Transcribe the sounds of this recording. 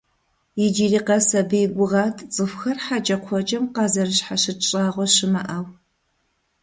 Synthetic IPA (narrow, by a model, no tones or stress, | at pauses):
jɪd͡ʒiːriːqɐsɐbijɡʷʊʁɑːtʰt͡sʼɨfxɐrħat͡ʃʼɐqʷʰɔt͡ʃʼɐmqɑːzɐrɨɕħaʃɨt͡ʃʼaːʁʷɔʃɪmɐʔɐw